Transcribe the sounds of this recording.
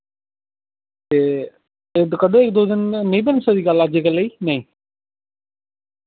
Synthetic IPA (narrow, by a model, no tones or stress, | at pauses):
t̪eː | ed̪kəd̪õːɪk̚d̪oːd̪ɪnːĩbənmsəd̪iːɡalaːd͡ʒeːkələiːnəĩː